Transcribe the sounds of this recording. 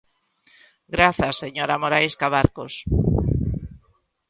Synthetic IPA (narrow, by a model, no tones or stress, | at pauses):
ɡɾaθasːeɲoɾamoɾajskaβaɾkos